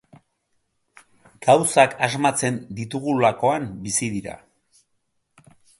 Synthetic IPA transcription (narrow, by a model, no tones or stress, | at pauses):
ɡ̥awsakazmat͡se̞nd̪it̪uɣ̞ulako̞ambisiðiɾa̰